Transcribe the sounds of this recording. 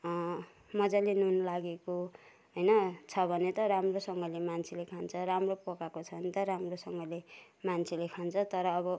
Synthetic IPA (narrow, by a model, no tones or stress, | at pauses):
mʌd͡zalinunlaɡeko | ɦʌjnʌt͡sʰʌbʱʌnet̪ʌɾamrosʌŋɡʌlemant͡sʰilekʰant͡sʰʌɾamropʌkakot͡sʰʌbʌnit̪ʌɾamrosʌŋɡʌle | mant͡sʰilekʰant͡sʰʌt̪ʌɾʌːbʌ